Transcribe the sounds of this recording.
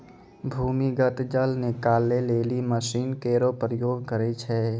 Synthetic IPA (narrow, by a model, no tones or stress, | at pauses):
bʱuːmiɡət̪d͡ʒəlnekaːlːeleːliməsiːnkeːɾopɾəjoːɡ̚kəɾet͡ʃʰɛ